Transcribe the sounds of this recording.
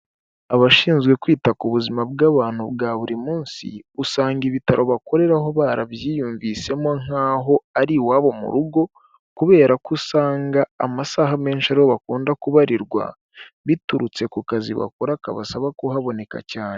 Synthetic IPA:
aβaʃiːnzɡwe̞kwiːtakuβuzimabɡaβaːn̥hubɡaːβuɾimuːnsḭusaːŋɡiβitaɾʔo̞βako̞ɾe̞ɾaɦoβaːɾaβjiːjuːɱvise̞moŋ̥aːɦo̞aɾiwaːβo̞mṵɾuɡo̞ | kuβe̞ːɾakusaːŋɡaːmasaːɦame̞ːnʃiaɾiho̞βakuːndakuβaɾiɾɡwa̰ | βituɾut͡se̞kukazḭβa̰koɾakaβa̰saβakuhaβo̞ne̞ka̰caːne

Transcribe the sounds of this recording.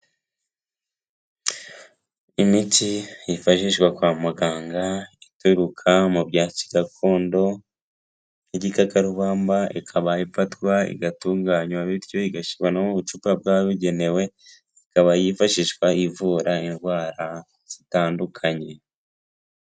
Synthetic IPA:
imitijifaʃiʃkwakwaːmaɡaːŋɡaituɾukʰamubɟaːci̥ɡakʰoːndo̞ | iɟikakaɾuβaːmbaikʰaβajifatkwaḭɡatuːŋɡaɲwaβiɾjo̞iɡaʃiwanamuβut͡ʃupab̚ɡaːβiɟe̞ne̞we̞ | ikaβajifaʃiʃkwaivuːɾainɡwaːɾa | z̥itaːndukʰaɲe̞

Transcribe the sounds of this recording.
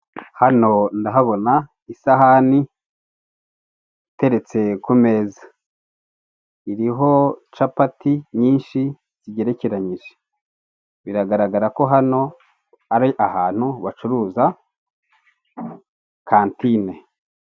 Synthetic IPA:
hano̞ndaɦaβo̞na | isaɦani | ite̞ɾe̞t͡se̞kume̞ːzḁ | iɾiɦo̞t͡ʃapatiɲiːnʃi | z̥iɟe̞ɾe̞ceɾaɲiʒe̥ | βiɾaɡaɾaɡaɾako̞ɦano̞ | aɾiʔahaːn̥huβat͡ʃuɾuːza | kaːntine̞

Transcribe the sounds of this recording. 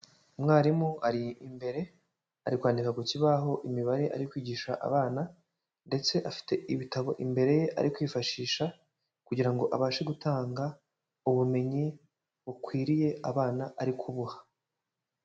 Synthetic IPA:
mŋaːɾimuaɾiːmbe̞ɾe̞ | aɾikwaːndikaɡuciβaɦo̞ʔimiβaɾe̞ʔa̰ɾikwiːɟiːʃa̰ʔa̰βaːna | nde̞t͡se̞ʔafi̥te̞ʔiβitaβo̞ʔimbe̞ɾe̞je̞ʔa̰ɾʔikwiːfaʃiːʃa | kuɟiɾaŋɡo̞ʔaβaːʃeɡutaːŋɡa | uβume̞ɲi | βukwiːɾije̞aβaːnaʔaɾikʰuβuhḁ

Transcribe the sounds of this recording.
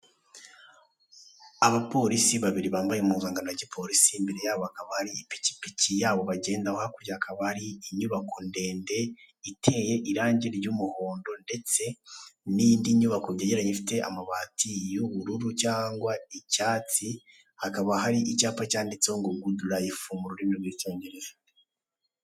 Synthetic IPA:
aβapo̞ɾisiβaβiɾiβaːmbajemuzaːŋɡanoɾɟipʰo̞ɾisiːmbe̞ɾe̞jaːβohakaβahaɾiipi̥ci̥picijaːβo̞βaɟe̞ːndahohakuɾɟahakʰaβahaɾiːɲuβakonde̞ːnde̞ | itʰe̞ːje̞ʔiɾaːɲɟeɾɾɟumuhoːndo̞nde̞t͡se̞niːndiɲuβakoβɟeɟeɾaɲefi̥te̞a̰maβaːtijuβuɾuɾucaːŋɡwaicaːt͡si | hakaβaɦaɾiʔicaːpacaːndit͡seoŋɡoɡuduɾaifuːmbuɾuɾinoɡiit͡ʃoːɲɡeɾeza

